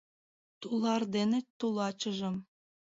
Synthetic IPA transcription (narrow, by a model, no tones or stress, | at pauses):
t̪ulɑrd̪enet̪ːulɑt͡ɕə̆ʒə̆m